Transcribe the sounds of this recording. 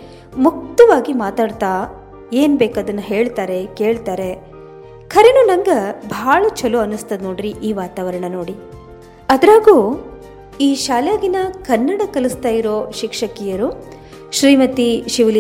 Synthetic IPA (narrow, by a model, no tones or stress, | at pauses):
muk̚t̪ɐʋaːɡimaːt̪aːɽt̪aː | eːnbɛːkɐd̪ɐnːuɦeːɭt̪aːɾe̞ke̞ːɭt̪aːɾe̞ | kʰɐɾenunɐŋɡɐbʱaːɭɐt͡ʃʰɐluɐnːust̪ɐd̪noːɽiɾiʔiːʋaːt̪aːʋɐɾɐɳɐno̞ːɽi | ɐd̪ɾaːɡu | iːʃaːljaːɡinɐkɐnːɐɽɐkɐlust̪aːjiɾoːʃikʂɐkijɐɾu | ʃɾiːmɐt̪iʃiʋɐl